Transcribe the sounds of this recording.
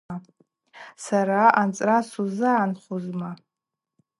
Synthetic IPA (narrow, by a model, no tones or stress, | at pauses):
a | saɾaʔant͡sʼrasuzɨːnχuzma